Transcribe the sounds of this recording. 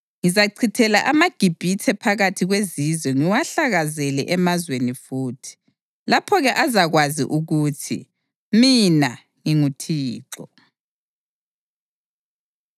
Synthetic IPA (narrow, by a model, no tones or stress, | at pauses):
ŋizaǀʰitʰɛlaʔamaɡ̥ʱib̥ʱitʰɛpʰaɣatʰiɣwezizwɛŋiwaɬaɣazɛlɛʔɛmazwenifuːtʰi̥ | lapʰɔɣɛʔazaɣwazḭʔuɣutʰḭ | mina | ŋiŋutʰiːǁɔ